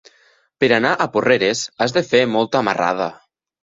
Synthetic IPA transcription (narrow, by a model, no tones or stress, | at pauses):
peɾanaʔaporeɾesazðefemɔlˠt̪aːma̰ra̰ð̞a